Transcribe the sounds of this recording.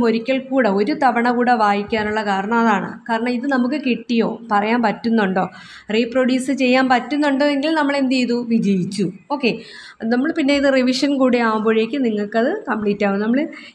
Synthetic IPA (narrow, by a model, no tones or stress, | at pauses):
mo̞ɾikʲːɐɭkuːɽeoɾut̪ɐʋɐɳɐkuːɽeʋaːjikʲːaːnuɭːɐkaːɾɐɳɐmɐðaːɳɨ̰kaːɾɐɳɐmiðɨnɐmukːɨkiʈːijo̞ːpɐrɐjaːnpɐtːunːuɳɖo̞ː | riːproɽjuːsɨt͡ɕe̞jːaːnpɐtːunːuɳɖoːeŋɡilnɐmːɐɭe̞nd̪iiðuʋid͡ʑɐjit͡ɕːuo̞ːkːe̞ | nɐmːɐɭpinːe̞iðɨriʋiʂɐnkuːɽeaːwumbo̞ːɻe̞ːkʲːɨniŋːɐɭkːɐðɨkɐmpɭiːtːaːʋɨnɐmːɐɭɨ